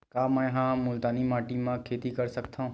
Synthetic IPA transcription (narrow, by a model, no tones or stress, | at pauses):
kaːmɛ̃ːɦãmʊlt̪aːnimaːʈimãkʰeːt̪ikɐɾsɐkt̪aɦũː